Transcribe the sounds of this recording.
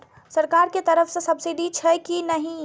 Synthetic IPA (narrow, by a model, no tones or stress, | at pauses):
ɾ | səɾkaɾket̪əɾəpʰsə̃səbsiɖit͡ʃʰəkinəɦĩ